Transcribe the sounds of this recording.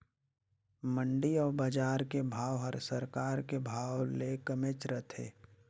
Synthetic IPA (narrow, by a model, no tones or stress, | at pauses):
məɳɖiɔːɾbəd͡ʒaːɾkebʱaːwɦəɾsəɾkaːɾkebʱaːwlekəmet͡ʃɾət̪ʰḛː